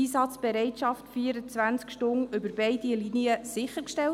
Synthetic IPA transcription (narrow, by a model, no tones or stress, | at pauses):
iːsɑt͡sb̥ɛɾɛɪtʃɑftfiəɾət͡sʋænskʃtʊŋʏbəɾbɛɪdiliniəsɪχəɾkʃtɛl